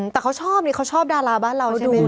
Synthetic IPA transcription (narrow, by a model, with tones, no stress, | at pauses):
t̪ɛː˨˩kʰa˦˥wt͡ɕʰɔː˥˩p̚niː˦˥˩kʰa˦˥wt͡ɕʰɔː˥˩p̚daː˧laː˧baː˥˩nɾa˧wduː˧